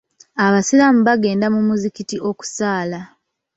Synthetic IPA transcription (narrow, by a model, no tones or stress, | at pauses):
aβasilamuβaɡe̞ːndamumuzikitiʔo̞ku̥saːla